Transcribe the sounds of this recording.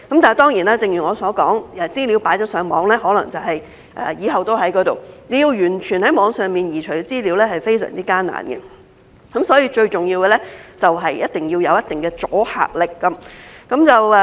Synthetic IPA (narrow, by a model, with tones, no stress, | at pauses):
kɐ˨˥mt̪aː˨˩t̪ɔː˥ŋjiː˨˩naː˥t͡sɪ˨ŋjy˨˩ŋɔː˨˧sɔː˨˥kɔː˨˥ŋɛ˨˧t͡siː˥liː˨˧wpaː˨˥jt͡ʃɔː˨˥sœː˨˧ŋmɔː˨˥ŋlɛː˥hɦɔː˨˥lɐ̰˨˩ŋt͡sɐ˨wɦɐ˨j | ʔɛ̰ː˨jiː˨˧˥ɦɐ˨wt̪o˥whɐ˨˥jkɔː˨˥t̪o˨wne˨˧jiː˧wjyː˨˩nt͡ʃʰyː˨˩nhɐ˨˥jmɔː˨˧ŋsœː˨ŋmiː˨njiː˨˩t͡ʃʰɵ˨˩ɡɛ˧t͡siː˥liː˨˥wlɛː˥hɐ˨jfe˥jsœ̰ː˨˩ŋt͡siː˥kaː˥na̰ː˨nɡɛ̰˧ | kɐ˨˧˥msɔː˨˥jiː˧t͡ʃɵ˧ɥt͡sʊ˨ŋji˧wɡɛ˧lɛ˥t͡sɐ˨wɦɐ˨jjɐ˥t̚t̪ɪ˨ŋjiː˧wjɐ˨˧wjɐ˥t̚t̪ɪ˨ŋɡɛː˧t͡soː˨˥ha̰ː˨˩k̚lɪ˨kːɐ˧˥mkɐ˨˥mt͡sɐ˨w